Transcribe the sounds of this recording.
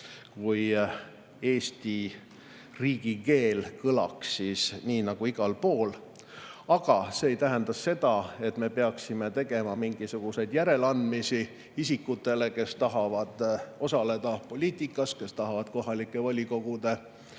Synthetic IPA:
kuj | e̞ːst̪i | riːɡ̥ike̞ːlkɤlɑ̰ksːisniːnɑɡ̥uiɡ̥ɑlpo̞ːl | ɑɡ̥ɑse̞ːjt̪æɦend̪̥ɑsːe̞d̪̥ɑe̞t̪me̞peɑksime̞t̪e̞ɡ̥e̞mɑmiŋɡ̥isuɡ̥use̞jd̪̥jæɾe̞lɑnd̪misi | isikːut̪ːˑe̞le̞ke̞st̪ɑɦɑvɑd̪̥o̞sɑle̞d̪̥ɑpo̞lʲiːt̪ˑikːˑɑske̞st̪ɑɦɑvɑd̪̥ko̞ɦɑlikːˑe̞vɑlʲiko̞ɡ̥ud̪̥e̞

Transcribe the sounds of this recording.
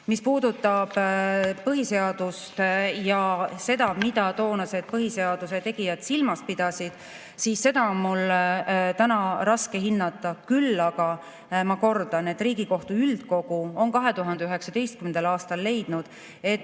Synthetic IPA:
mispuːd̪ut̪ːˑɑb̥pɤɦise̞ɑd̪̥ust̪jɑse̞d̪ɑmid̪̥ɑt̪o̞ːnɑse̞d̪̥̚pɤɦise̞ɑd̪̥use̞t̪e̞ɡ̥ijɑd̪̥silmɑs̚pid̪̥ɑsid̪̥ | siːsːe̞d̪ɑnmul | t̪ænɑɾɑske̞ɦinːɑt̪ːˑɑkylːɑɡ̥ɑ | mɑko̞rd̪̥ɑne̞t̪ːriːɡ̥iko̞ht̪uyld̪̥ko̞ɡ̥uo̞nkɑɦe̞t̪uɦɑnd̪eyɦe̞ksɑd̪e̞jst̪̚kymend̪̥ɑlɑːst̪ɑlːe̞jd̪̥nud̪̥ | e̞t̪

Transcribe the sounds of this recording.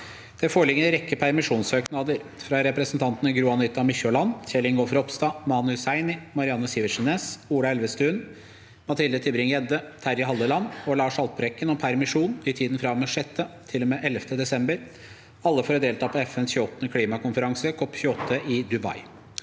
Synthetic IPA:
d̪̥ɛfoːɭɪɡənəɾɛkːəpʰæɾmɪʂuːnsøːknɑd̪əɾfɾɑɾɛpɾəsnt̪ʰɑnt̪nəɡɾuɑnɪt̪ːɑmʏçɔlɑnçɛlɪŋɡofɾɔpst̪ɑːmɑnʉsæɪnɪmɑɾɪɑnːəsiːʋəʂɪneːsuːɽɑɛlʋəst̪ʉːn | mɑt̪ʰɪld̪ət̪ʰɪbɾɪŋjɛd̪ət̪ʰæɾjɪɦɑlːəlɑnːɔlɑːʂɑlt̪̚pəɾɛkːənɔmpʰæɾmɪʂuːnɪt̪ʰiːd̪n̩fɾɑməʂɛt̪ːət̪ʰɪlɔmeːʔɛlːəft̪əd̪ɛsɛmbəɾ | ɑlːəfoːɾd̪eːlt̪ʰɑːpʰɔɛfɛnsçʉːɔt̪nəkʰliːmɑkʊnfəɾɑŋsəkʰɔpːçʉːɔt̪ʰːəʔɪd̪ʉbɑ̰ɪ

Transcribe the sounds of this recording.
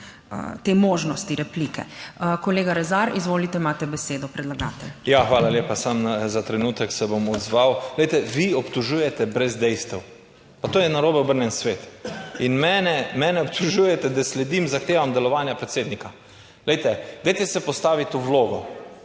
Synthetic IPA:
t̪eːmoːʒnɔst̪iɾɛpliːkɛ̰koleːɡaɾɛzaɾizʋoːlit̪ɛimat̪ɛbɛseːd̪ɔpɾɛd̪laɡa̰ːt̪ɛljaxʋaːlalʲjeːpasamzat̪ɾɛnuːt̪ɛksɛbomɔd̪zʋawɡlɛjt̪ɛʋiɔpt̪ɔʒujɛt̪ɛbɾɛzd̪ɛjst̪ɛw | pat̪oːjɛnaɾoːbɛɔbəɾnjɛnsʋeːt̪inmɛːnɛmɛːnɛɔp̚t̪ʰuʒujɛt̪ɛd̪aslɛd̪imzaxt̪eːʋamd̪ɛlɔʋaːnjapɾɛt̪seːd̪nika | ɡlɛjt̪ɛd̪ɛjt̪ɛsɛpɔst̪aːʋit̪uwloːɡɔ

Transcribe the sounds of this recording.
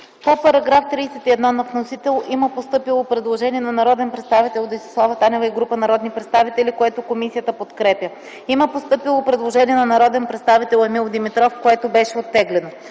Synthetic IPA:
popɐɾɐɡɾaft̪ɾijsɛt̪iɛd̪nɔnɐvnosit̪ɛlˠʔiməpost̪ɤpilˠopɾɛd̪lˠoʒɛniɛnɐnɐɾɔd̪ɛnpɾɛt̪st̪avit̪ɛlˠd̪ɐisi̥slˠavət̪anʲɛvɐiɡɾupənɐɾɔd̪nipɾɛt̪st̪avit̪ɛlikoɛt̪okomisijət̪əpot̪kɾɛpjə | iməpost̪ɤpilˠopɾɛd̪lˠoʒɛniɛnɐnɐɾɔd̪ɛnpɾɛt̪st̪avit̪ɛlˠɐmilˠd̪imit̪ɾɔfkoɛt̪obɛʃɛot̪ːɛɡlɛno

